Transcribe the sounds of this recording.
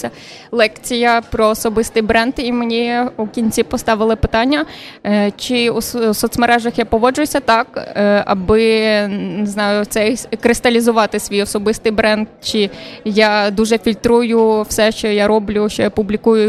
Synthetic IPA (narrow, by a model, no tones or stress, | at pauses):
ɐ | lˠɛkt͡sʲijɐpɾɔːsɔbɪst̪ɪjbɾɛnd̪imenʲiukʲinʲt͡sʲipɔst̪ɑʋɪlˠɪpɪt̪ɑnʲːɐ | t͡ʃɪusɔt̪smɐɾɛʒɐxjapɔʋɔd͡ʒʊjʊsʲɐt̪ɑkɐ̰bɪ | nɪznɑjʊt̪sɛkɾɪst̪ɐlʲizʊʋɑt̪ɪsʲʋʲijɔsɔbɪst̪ɪjbɾɛnd̪̚t͡ʃɪjɑd̪uʒɛfʲilʲt̪ɾujʊwsɛʃt͡ʃɔjaɾɔblʲʊʃt͡ʃɔjapʊblʲikujʊ